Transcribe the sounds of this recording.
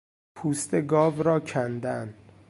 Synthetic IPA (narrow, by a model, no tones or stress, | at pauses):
pʰuːst̪eɡɒːvɾɒːcʰænd̪æn